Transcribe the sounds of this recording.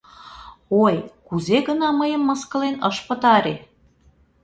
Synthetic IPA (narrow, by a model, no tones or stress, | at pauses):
ojkuzeɣənɑməjə̆mːəskə̆lenəʃpə̆t̪ɑɾe